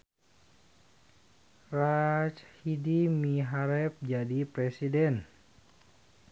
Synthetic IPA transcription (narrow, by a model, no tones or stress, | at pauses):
rat͡ʃhidimiɦaɾɛp̚d͡ʒadipɾɛsidɛn